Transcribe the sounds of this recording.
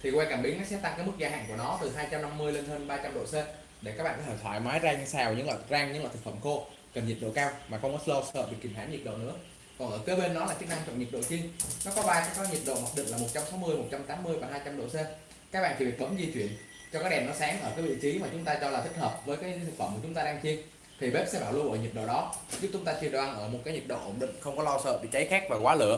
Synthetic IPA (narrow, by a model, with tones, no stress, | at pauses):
t̪ʰi˨˩kwɛ˧kaː˧˩mɓi˨˦ŋa˦˥ksɛ˦˥t̪a˧ŋkaː˨˦jmɨ˦˥k̚zaː˧a̰ː˧˨ŋku˧˩ənɔ˨˦t̪ɨ˨˩ɦaː˧jt͡ɕa˧mna˧mːɨ˧əjle˧nɦəː˧nɓaː˧t͡ɕa˧mɗo̰˧˨se˧ | ɗe˧˩ka˦˥k̚ɓa̰ː˧˨˧ɔ˨˦˩əː˧˩t̪ʰɔ̰˧˩jmaː˨˦jzaː˧ɲa˧saː˧˩wɲɨ̰˧˥ŋlɔ̰ː˧˨˩zaː˧ŋɲɨ̰˧˥ŋa̰ː˨˧˨t̪ʰɨ˨˩kfə˧˩mxo˧ | kə˨˩nɲi˨˩t̚ɗo̰˧˨kaː˧wmaː˨˩xə˧ŋ͡mm˦˥slo˧səː˧˩p̚ɓki˧˩mha̰ː˧˥nɲi˨˩t̚ɗo̰˧˨nɨ̰˧˥ə | kɔ˨˩nʔəː˧˩kəː˨˦jɓe˧nːɔ˨˦laː˨˩t͡ɕɨ˦˥k̚na˧mt͡ɕwɔ̰˧˨˩nɲi˨˩t̚ɗo̰˧˨t͡ɕi˧ənnɔ˨˦kɔ˨˦ɓaː˧jkaː˨˦jkaː˨˦jɲi˨˩t̚ɗo̰˧˨ma˨˩ɗḭ˧˨ŋlaː˨˩mo˨˩t̚t͡ɕa˧msa˨˦wmɨ˧əjmo˨˩t̚t͡ɕa˧mt̪aː˨˦mːɨ˧əjvaː˨˩hɦaː˧jt͡ɕa˧mɗo̰˧˨se˧ | ka˦˥k̚ɓ̰aː˧˨nt̪i˨˩vi˨˩ɓə˨˦mzi˧t͡ɕwḭ˧˨ən | t͡ɕɔ˧kaː˨˦˥k̚ɗɛ˨˩mnɔ˨˦saː˨˦ŋʔəː˧˩kaː˨˦jvḭ˧˨t͡ɕi˨˦maː˨˩t͡ɕʊ˨˦ŋ͡mt̪aː˧t͡ɕɔ˧laː˨˩i˦˥k̚həː˨˩p̚vəː˨˦jkaː˨˦˧t̪ʰɨ˨˩fə˧˩mku˧˩t͡ɕʊ˨˦ŋ͡mt̪aː˧ɗaː˧ŋt͡ɕi˧ən | t̪ʰi˨˩ɓe˦˥p̚sɛ̰˧˥ɓaː˧˩wlu˧ɓo̰˧˨jɲi˨˩t̚ɗo̰˧˨ɗɔ˨˦zu˦˥t͡ɕʊ˨˦ŋ͡mt̪aː˧t͡ɕi˧˩əɗwaː˧˩nʔəː˧˩mo˨˩kaː˨˦ɲi˨˩t̚ɗo̰˧˨ʔo˧˩nɗḭ̈˧˨ŋ̟xə˧wŋ͡mkɔ˨˦lɔ˧wsəː˧˨ɓḭ˧˨t͡ɕə˨˦jxaː˦˥k̚vaː˨˩kwaː˨˦lə̰˧˨ə